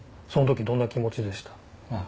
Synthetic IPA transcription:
so̞no̞t̪okʲid̪õ̞nːakʲimo̞t͡ɕid̪e̞ɕi̥t̪ḁ

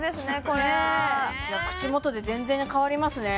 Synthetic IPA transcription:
d̪e̞sɨne̞ko̞ɾeajakɯ̟̥t͡ɕimo̞t̪o̞d̪e̞zẽ̞nd͡zẽ̞ɲ̟ikaβaɾʲimasɨne̞

